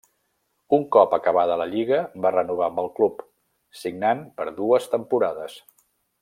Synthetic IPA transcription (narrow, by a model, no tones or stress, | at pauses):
uŋkɔpəkəβ̞aðələʎiɣəbarənuβ̞ambəlˠklup | siɡnanpəɾðuəst̪əmpuɾaðəs